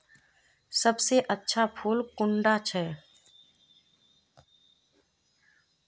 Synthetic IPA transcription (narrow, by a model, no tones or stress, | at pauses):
səbseʔətːʃʰapʰuːlkʊɳɖat͡ʃʰɛː